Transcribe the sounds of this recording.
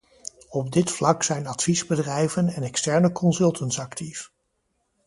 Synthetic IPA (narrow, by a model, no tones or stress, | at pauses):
ɔb̚dɪtflɑksɛjnɑtfizbədrɛjvənɛnɛkstɛɹnəkɔnsɵlˠtəntsɑktʰif